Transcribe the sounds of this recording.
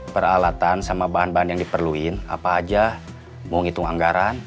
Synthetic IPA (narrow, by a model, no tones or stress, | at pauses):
pəɾalat̪ansamabaɦanbaɦanjaŋdipərluɪna̰paːd͡ʒa | muŋit̪uŋaŋɡaɾan